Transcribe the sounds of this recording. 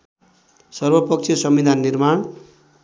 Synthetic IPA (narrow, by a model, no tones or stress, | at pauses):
sʌrbʌpʌk̚t͡ʃʰesʌmbid̪ʱanːirmaɳ